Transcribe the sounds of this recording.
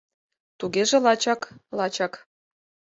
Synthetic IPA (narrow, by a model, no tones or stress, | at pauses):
t̪uɣeʒĕlɑt͡ɕɑklɑt͡ɕɑk